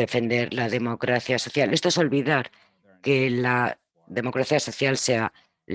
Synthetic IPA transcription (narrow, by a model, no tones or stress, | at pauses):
e̞fe̞nd̪e̞ɾlaðe̞mo̞kɾaθjaso̞θjale̞st̪oe̞so̞lβiðaɾ | ke̞la | ðe̞mo̞kɾaθjaso̞θjalse̞a | l